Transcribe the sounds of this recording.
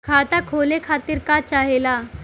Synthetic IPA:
kʰaːt̪akʰoːlekʰaːt̪ɪɾkat͡ʃaːɦela

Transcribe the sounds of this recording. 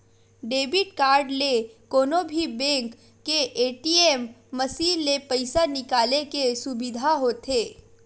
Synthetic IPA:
ɖeːbɪʈ̚kaːɾɖlekoːnõbʱibẽːŋkː | eʔeːʈiemː | ɐsiːnːepɐɪsanɪkaːlekesʊbɪd̪ʱaɦoːt̪ʰeː

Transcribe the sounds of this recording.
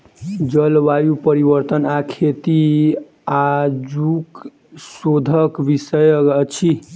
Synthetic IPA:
d͡ʒəlʋajupəɾiβəɾt̪ənakʰet̪i | ad͡ʒuk | sod̪ʱəkbisəjt͡ʃʰi

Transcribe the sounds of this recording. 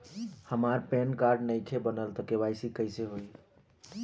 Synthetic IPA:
həmaɾpenkaɾɖnəjʈʰebənəlt̪əkebajsikəɪseɦoj

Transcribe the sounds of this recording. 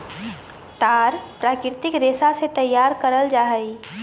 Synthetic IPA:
t̪aːɾpɾaːkɪɾt̪ɪkɾeːsaset̪ɐjːaːɾkəɾəld͡ʒaːɦəi

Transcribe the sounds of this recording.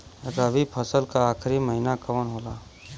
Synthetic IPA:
eɡabʱipʰəsəlkaːkʰɾiməɦinakəʋənɦola

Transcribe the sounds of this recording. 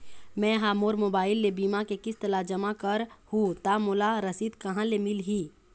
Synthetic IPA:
mɛ̃ːɦaːmoːɾmoːbaːɪlːebiːmakekɪst̪ɐlad͡ʒɐmakɐɾhut̪amolaɾɐsiːd̪kɐɦãlemɪlɦiː

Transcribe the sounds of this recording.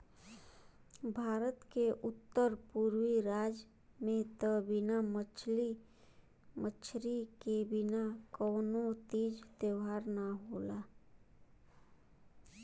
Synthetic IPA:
bʱaːɾət̪keʔʊt̪ːəɾpuɾwiɾaːd͡ʒ | mẽt̪əbɪnamət͡ʃʰli | mət͡ʃʰɾikebɪnakɔːnot̪iːd͡ʒt̪jeɦaːɾnaɦoːla

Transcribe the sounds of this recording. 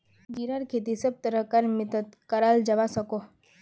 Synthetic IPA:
ɡiɾaɾkʰet̪̬isɐb̚t̪əɾəkɐɾmɪt̪ət̪kəɾaːld͡ʒɐʋasɐko

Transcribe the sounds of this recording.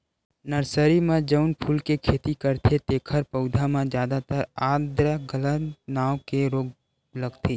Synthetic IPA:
nəɾsəɾimãd͡ʒəʊnpʰuːlkekʰeːt̪ikəɾt̪ʰet̪eːkʰəɾpəʊd̪ʱamãd͡ʒjaːd̪at̪əɾaːd̪ɾəɡələt̪naːokeɾoːɡ | ləɡt̪ʰeː

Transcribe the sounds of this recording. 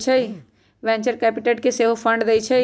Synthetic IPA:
t͡ʃʰɛi | ʋɛ̃ːɲt͡ʃəɾkɛːpɪʈeːʈkeseɦofʰə̃ɳɖd̪ɐit͡ʃʰɛ

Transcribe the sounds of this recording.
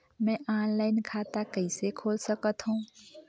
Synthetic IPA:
mɛ̃ʔaːnlaːɪnkʰaːt̪akəɪsekʰoːlsəkət̪ɦũː

